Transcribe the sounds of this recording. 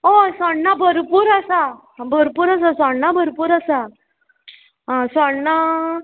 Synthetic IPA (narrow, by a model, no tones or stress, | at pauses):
osɔɳnabʱəɾpuːɾasa | bʱəɾpuːɾasasɔɳnabʱəɾpuːɾasa | ɦasɔɳna